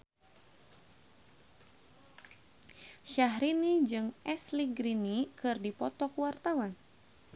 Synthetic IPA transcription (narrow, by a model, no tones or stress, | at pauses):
ʃaɦɾinid͡ʒɨŋʔɛsliɡɾinikɨrdipɔt̪ɔkwart̪awan